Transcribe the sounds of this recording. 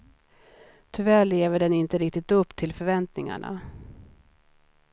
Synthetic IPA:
t̪ʰʏvæːɭeːvəɖɛnɪnt̪əɾɪk̚t̪ɪt̪ɵpːt̪ʰɪlfœɾvɛnt̪nɪŋa̰ɳa̰

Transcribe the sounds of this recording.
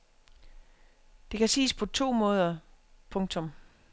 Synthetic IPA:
d̥e̝kæsḭːspʰɒ̽t͡sʰo̝̰ːmɔ̽ːð̞ˠɐ | pʰɔ̽ŋt͡sʰɔ̽m

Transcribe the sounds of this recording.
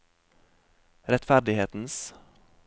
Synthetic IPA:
ɾɛt̪fæɾdɖɪheːt̪n̩s

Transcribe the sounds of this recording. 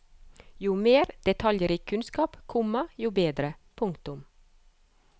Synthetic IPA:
juːmeːɾd̪̥ɛt̪ʰɑljəɾiːkʰʉnskɑːpkʰɔməjuːbeːd̪ɾəpʰʊŋkt̪ʊm

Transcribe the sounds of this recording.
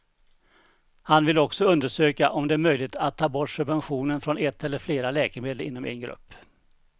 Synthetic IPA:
hanvɪlɔksɔɵnd̪əʂøːkaʔɔmd̪ɛæɾmœjlɪt̪ʰat̪ʰːɑːbɔʈːʂɵbvɛnɧuːnənfɾɔnɛt̪ʰːɛlːəɾfleːɾalɛːkɛmeːd̪əlɪ̰nːɔmɛ̰nɡɾɵ̰pː

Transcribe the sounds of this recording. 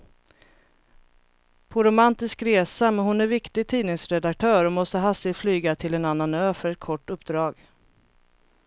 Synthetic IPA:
pʰɔɾʊmant̪ɪskɾeːsamɛnɦʊnæɾvɪkt̪ɪɡ̚t̪ʰiːnɪŋsɾɛd̪ak̚t̪ʰœːɾɔmɔst̪əɦasɪflyːɡat̪ʰɪlɛnanːanøːfœɾɛt̪̚kʰɔʈːɵpd̪ɾɑːɡ

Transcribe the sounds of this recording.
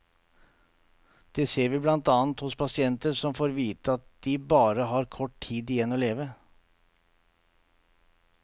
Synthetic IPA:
d̪̥ɛseːɾʋɪːblɑnt̪ɑːnt̪hʊspʰɑsɪɛnt̪əɾʂɔmfoːɾʋiːt̪əɑt̪̚d̪̥ɪbɑːɾəɦɑːɾkʰɔʈt̪ʰiːd̪ɪjɛnːoːleːʋə

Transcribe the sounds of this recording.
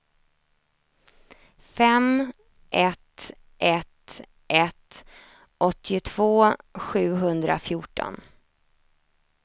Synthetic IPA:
fɛm | ʔɛt̪ | ʔɛt̪ | ʔɛt̪ | ʔɔt̪ʰːɪʊt̪ʰv̥oːɧʉ̟ːɦɵnd̪ɾa̰fjuːʈɔ̰n

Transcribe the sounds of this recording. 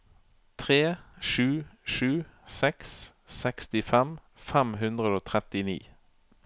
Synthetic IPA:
t̪ʰʁeːʃʉːʃʉːsɛks | sɛkst̪ɪfɛm | fɛmɦʉnd̪ʁəd̪oːt̪ʰʁɛt̪ɪnḭː

